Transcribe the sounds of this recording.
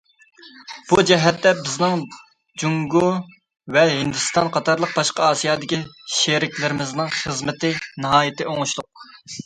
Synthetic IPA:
b̥ud͡ʒɛɦɛt̪ːɛbɪznɪŋ | d͡ʒuŋɡo | vɛɦɪnd̪ɨst̪ɑnqʰɑt̪ʰɑɾlˠəq̚bɑʃqɑɑːsijɑːd̪ɪkʲiʃeɾɪkʲlɪɾɪmɪznɨŋχəzmɪt̪ɪnɨɦɑːjɪt̪ʰɪʔoŋuʃlˠʊq̚

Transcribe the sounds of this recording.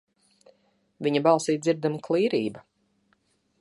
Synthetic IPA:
viɲabɑlˠsiːziɾd̪amklˠiːɾiːba

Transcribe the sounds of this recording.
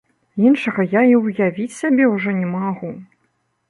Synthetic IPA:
inʂɐɣɐjaiwjavʲit͡sʲsʲabʲɛwʐɔnʲɛmaɣu

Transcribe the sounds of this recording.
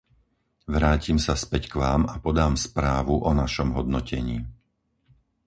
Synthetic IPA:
ʋɾaːcimsaspɛckʋaːmapɔd̪aːmspɾaːʋuʔɔnaʃɔmɦɔd̪nɔcʰɛɲiː

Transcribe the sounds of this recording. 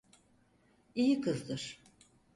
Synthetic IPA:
ijikʰɯzd̪ɯɾ̥

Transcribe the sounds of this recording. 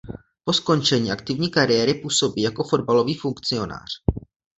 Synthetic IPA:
po̞sko̞nt͡ʃɛɲiːakt̪ɪvɲiːkaɾɪjɛːɾɪpuːso̞biːjako̞fo̞dbalo̞viːfuŋkt͡sɪo̞na̰ːr̝̥

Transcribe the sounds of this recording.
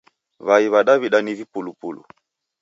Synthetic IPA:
βaiβaɗaβiɗanivipulupulṵ

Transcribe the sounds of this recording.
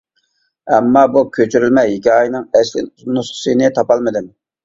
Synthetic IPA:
ɛmːɑbukʲʰøt͡ʃʰyɾylmɛɦikʲɑːjinɨŋɛslɪ̰nusχə̥sɨnɨt̪ʰɑpɑlˠmɨd̪ɪm

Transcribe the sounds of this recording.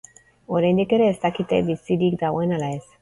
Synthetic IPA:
oɾend̪ikeɾeːst̪akit̪ḛbisid̪ikd̪awenalaes

